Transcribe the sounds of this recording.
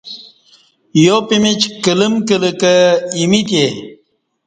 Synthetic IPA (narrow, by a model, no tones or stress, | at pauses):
jopimit͡ɕkələmkələkəimit̪je